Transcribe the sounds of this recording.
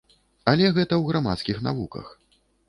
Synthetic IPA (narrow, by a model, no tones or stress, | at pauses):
alʲɛɣɛt̪ɐwɣɾama̰t̪skʲixna̰vukɐ̰x